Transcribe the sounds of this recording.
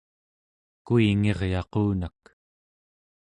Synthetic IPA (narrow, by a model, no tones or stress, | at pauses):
kuiŋe̞ʁjɑquːnak